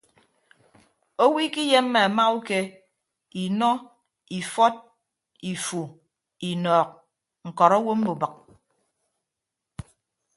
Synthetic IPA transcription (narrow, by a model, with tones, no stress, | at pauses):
o˦wi˦ki˦je˦mː˦e˨a˨ma˦u˦ke˦ | i˨nɔ˦ | i˨fɔ˦t̚ | i˨fu˨ | i˨nɔː˨k̚ | ŋ̩˨kɔ˨ɾɔ˦wo˦m̩˦bo˨bə˨k̚